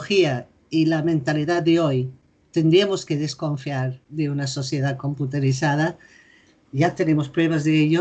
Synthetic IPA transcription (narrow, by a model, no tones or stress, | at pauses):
xia | ilamẽnt̪aliðaðeoj | t̪e̞nd̪ɾiamoskeðesko̞ɱfjaɾðeunaso̞θjeðako̞mput̪eɾiθað̞a | ʝat̪e̞nemo̞spɾweβazðeeʎo